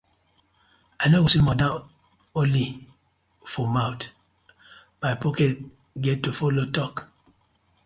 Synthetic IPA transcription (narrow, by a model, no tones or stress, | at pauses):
anowosimɔdã | oli | fɔmawt | majpɔkɛt̚ | ɡɛtːufɔlotɔk